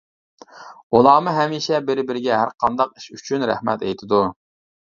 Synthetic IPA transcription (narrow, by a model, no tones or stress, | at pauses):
ulˠɑːmɨɦɛmiːʃɛbɪɾbɪɾɪɡʲɛɦæɾqʰɑnd̪ɑq̚i̥ʃyt͡ʃʰynɾæ̰hmɛ̰t̪ɛjt̪ʰɪd̪u